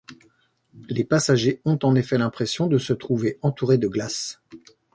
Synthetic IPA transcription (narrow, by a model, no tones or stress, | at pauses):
lepasaʒeɔ̃t̪ɑ̃nefɛlɛ̃pχesjɔ̃d̪əsət̪χuveɑ̃t̪uʁed̪əɡlas